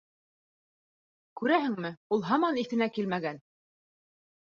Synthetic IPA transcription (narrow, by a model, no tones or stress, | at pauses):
kʉɾæɦɘ̆ŋmɘulˠɦɑmɑniθɘ̆nækilmæɡæn